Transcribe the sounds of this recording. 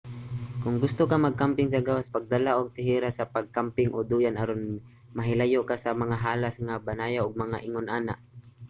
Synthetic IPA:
kʊŋɡʊst̪okamɐɡ̚kampɪŋs̬aɡawaspaɡ̚d̪alaʔoɡ̚t̪ɪɦiːɾasapaɡ̚kampɪŋʔod̪uːjanaɾon | mɐɦɪlajoʔkasamɐŋaɦaːlasŋabanaːjawʔʊɡ̚mɐŋaʔɪŋʊnʔaːnaʔ

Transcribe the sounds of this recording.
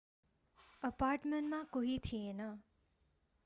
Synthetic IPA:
əpaːɾʈməɳʈmãkoɦit̪ʰienã

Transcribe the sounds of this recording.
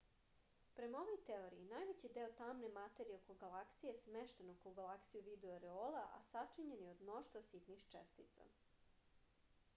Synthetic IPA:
pɾe̞mao̞ʋo̞jt̪eoɾiinajʋet͡ɕid̪eːot̪amnemat̪eɾieokoɡalaksijesmeʃt̪enokoɡalˠaksijuʋid̪eoaɾeoːlaʔa̰sat͡ʂiɲenjeo̞d̪mno̞ʃt̪vasit̪nixt͡ʂest̪it̪sa̰

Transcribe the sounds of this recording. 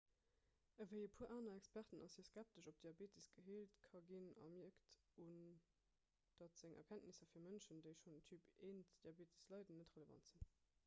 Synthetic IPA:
əvəɪəpʰuːɐʔaːnɐækspæʁtənɑsiɐskæp̚təʃop̚d̥iɑbeːtəsɡ̥əɦiːltkʰɑɡinɑ̰miɐkt | un | d̥ɑtz̥eŋɛ̰ɐkʰæntnisɐfiːɐmənʃəndəɪʃonətʰyːpeːntd̥iɑbeːtʰə̥slɑɪdənːətʁələvɑ̰ntz̥in

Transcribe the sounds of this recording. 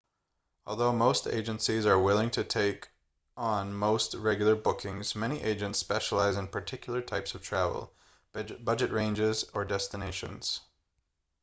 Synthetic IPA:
ɔlˠðoʊmoʊstḛɪd͡ʒɨ̃nsizə˞wɪlˠɪ̃ŋtʰɨtʰeɪk | n̩moʊst̚ɹɛɡjl̩ˠə˞bʊkʰɪ̃ŋz̥mɛñiʔeɪd͡ʒɨ̃ntspɛʃəlˠaɪzɨ̃npʰə˞tʰɪkjl̩ˠə˞tʰaɪpsʌv̥tʰɹ̥ævl̩ˠ | bʌd͡ʒɨʔ̚ɹẽɪ̃nd͡ʒɪzə˞dɛstɨneɪʃɨ̰̃nz̥

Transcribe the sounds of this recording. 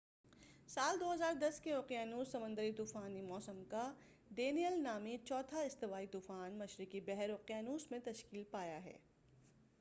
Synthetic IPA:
saːld̪oːɦɐzaːɾd̪ɐskeoːqijanuːsːɐmə̃nd̪əɾit̪uːfaːnimɔːsəmka | ɖeːnijəlnaːmit͡ʃɔːt̪ʰaɪst̪ɪʋaːit̪uːfaːnmɐʃɾɪkibɛɦɛɾoːqijanuːsmẽt̪ɐʃkiːlpaːjaɦɛ̰ː

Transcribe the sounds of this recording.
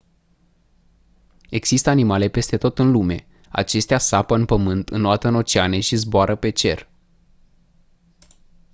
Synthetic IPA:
e̞ɡz̥ist̪əanimale̞pe̞st̪e̞t̪o̞t̪ɨnlume̞ | a̰t͡ʃe̞st̪easapəɨnpəmɨnt̪ɨnːoat̪əɨno̞t͡ʃeane̞ʃizboaɾʔəpe̞t͡ʃe̞r

